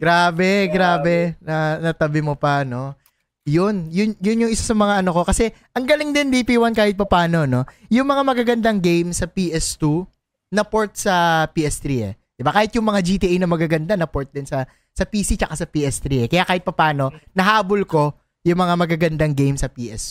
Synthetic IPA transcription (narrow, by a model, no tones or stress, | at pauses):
ɡɾaːbɛɡɾaːbɛnɐnɐt̪ɐbɪmopɐno̞ | jʊnjʊnjʊnjʊŋʔɪsasɐmɐŋaʔɐnoko̞kɐsɛʔɐŋɡɐlɪŋd̪ɪnd̪ipiwɐnkaːhɪt̪̚pɐpaːno̞no̞jʊŋmɐŋamɐɡaɡɐnd̪aŋɡejmsɐpiːʔɛst̪u | nɐpoɹt̪̚sɐpiːɛst̪ɾiːɛ̰ | d̪̥ɪbakaːhɪt̪̚jʊŋmɐŋad͡ʒiːt̪iːʔɐjnɐmɐɡaɡɐnd̪anɐpoɹt̪̚d̪ɪnsɐ | sɐpiːsit͡ʃɐkasɐpiːʔɛst̪ɾiːʔɛkɐjakaːhɪt̪̚pɐpaːno̞nɐɦaːbolko̞ | jʊŋmɐŋamɐɡaɡɐnd̪aŋɡejmsɐpiːʔɛst̪u